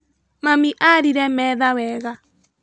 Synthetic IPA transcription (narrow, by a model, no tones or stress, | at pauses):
mamiʔaɾiɾɛmɛːðawɛːɣa